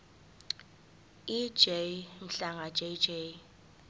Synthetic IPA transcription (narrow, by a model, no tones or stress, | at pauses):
id͡ʒem̩ɬaŋad͡ʒʼed͡ʒe